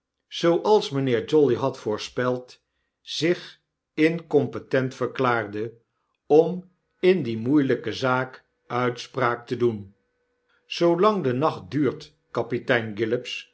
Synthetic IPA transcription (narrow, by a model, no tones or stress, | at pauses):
z̥owʔɑlˠsmənɪːɹd͡ʒɔliɦɑtfʊːɹspɛlˠt | z̥ɪχ | ɪnkɔmpətɛntfəɹklaːɹdə | ɔm | ɪndimujləkəzaːk | œɥtspraːk̚tədun | z̥owlɑŋdənɑχt̚dyːɹt | kɑpitɛjnɡɪlɪps